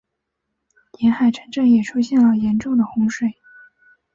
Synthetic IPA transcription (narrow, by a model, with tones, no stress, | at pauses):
jɛ˧˥nxa˨˩ɪʈ͡ʂʰɤ˧˥ŋʈ͡ʂɤ˥˩ŋjɛ˨˩ʈ͡ʂʰu˥ɕjɛ˥˩nlə˩jɛ˧˥nʈ͡ʂʊ˥˩ŋd̪ə˩xʊ˧˥ŋʂwe˨˩˦ɪ